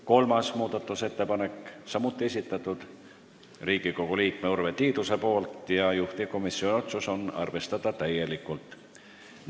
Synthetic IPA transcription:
ko̞lmɑsmuːd̪̥ɑt̪ːˑuse̞t̪ːe̞pɑne̞kːˑsɑmut̪ːˑie̞sʲit̪ːˑɑt̪ːˑud̪̥ | riːɡ̥iko̞ɡ̥uliːkme̞urve̞t̪iːd̪̥use̞po̞ːlt̪ˑjɑjuht̪iko̞misːio̞nio̞t̪suso̞nɑ̰rve̞st̪ɑd̪̥ɑt̪æje̞likːˑult̪ˑ

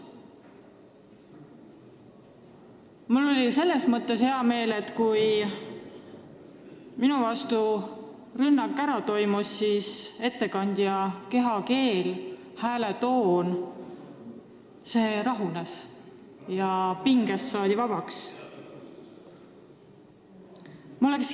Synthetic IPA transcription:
mulːo̞lʲise̞lːe̞smɤt̪ːˑe̞she̞ɑme̞ːle̞t̪kuj | minuvɑst̪u | rynːɑkːˑæɾɑt̪o̞jmusːiːse̞t̪ːe̞kɑnʲd̪̥jɑke̞ɦɑke̞ːl | hæːle̞t̪o̞ːn | se̞ːɾɑɦunes | jɑpiŋɡ̥esːɑːd̪̥ivɑb̥ɑks | mo̞le̞ks

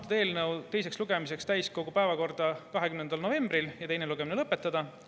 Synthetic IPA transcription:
t̪ɑd̪e̞ːlnɤwt̪e̞js̬e̞ksluɡ̥e̞mise̞kst̪æjsko̞ɡ̥upæevɑko̞rd̪̥ɑkɑɦekymnend̪̥ɑlno̞ve̞mbriljɑt̪e̞jneluɡ̥eminelɤpːˑe̞t̪ˑːɑd̪̥ɑ

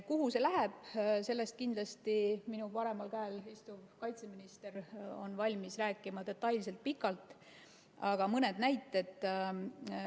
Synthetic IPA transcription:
kuɦuse̞læɦe̞b̥se̞lːe̞st̪̚kind̪lɑst̪iminupɑɾe̞mɑlkæːlhest̪uvkɑjt̪se̞minist̪e̞ɾo̞̰nvɑlʲmisræːkːˑimɑd̪e̞t̪ːˑɑjlse̞lt̪̚pikːˑɑlt̪ˑ | ɑɡ̥ɑmɤne̞d̪̥næjt̪ːˑe̞t̪ː

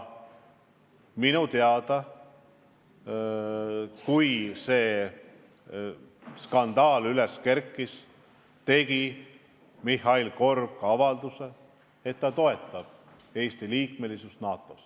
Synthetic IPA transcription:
minut̪eɑd̪̥ɑ | kujse̞ː | skɑnd̪̥ɑːlyle̞skerkːis | t̪e̞ɡ̥i | mihɑilko̞rb̥̚kɑvɑld̪̥use̞ | e̞t̪ːɑt̪o̞e̞t̪ːˑɑb̥ | e̞ːst̪iliːkme̞lisust̪nɑːt̪ːˑo̞s

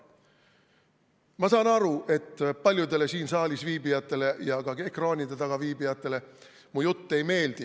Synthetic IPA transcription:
mɑsɑːnɑɾuʔe̞t̪ːpɑlʲjud̪e̞le̞siːnsɑːlʲisviːbijɑt̪ˑːe̞le̞jɑɡ̥ɑe̞krɑːnʲid̪e̞t̪ɑɡ̥ɑviːbijɑt̪ːˑe̞le̞ | mujut̪ːe̞jme̞ːld̪̥i

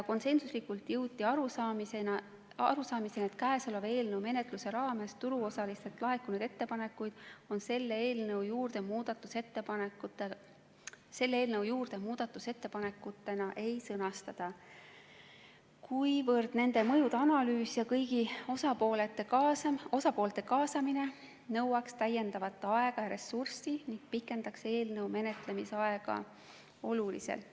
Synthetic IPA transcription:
jɑko̞nse̞nsuslikult̪jɤwd̪ʲiɑɾusɑmisenɑ | ɑ̰ɾusɑːmisenet̪̚kæesoleve̞ːlnəwme̞ne̞t̪ˑluse̞ɾɑːme̞st̪uɾuo̞sɑlist̪et̪ːˑlɑɦe̞kːunud̪̥e̞t̪ːe̞pɑne̞kːˑujd̪̥o̞nse̞lːeeːlnɤwjuːrd̪̥e̞muːd̪̥ɑt̪ːˑuse̞t̪ːepɑnekut̪ːe | se̞lːeːlnɤwjuːrd̪̥e̞muːd̪̥ɑt̪ːˑuse̞t̪ːepɑne̞kːˑut̪ːˑe̞nɑʔe̞jsɤnɑst̪ɑd̪̥ɑ | kʰujvɤrd̪̥ne̞nd̪̥e̞mɤ̞jud̪̥eɑnɑlyːsjɑkɤjɡiosɑpoːlet̪ːˑekɑsɑo̞sɑpo̞ːlt̪ːe̞kɑːsɑmine̞ | nɤwɑkst̪æjːe̞nd̪̥ɑvɑt̪ːˑeɑe̞ɡ̥ɑjɑɾe̞sːursiniŋɡ̥̚pikːˑe̞nd̪̥ɑkse̞ːlnɤwme̞ne̞t̪le̞misɑe̞ɡ̥ɑ̰ | o̞lulḭsḛl

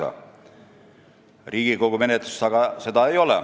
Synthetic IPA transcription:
ɑ̰ | riːɡ̥ikoɡ̥ume̞net̪lust̪ɑɡ̥ɑse̞d̪ɑejo̞lɛ̰

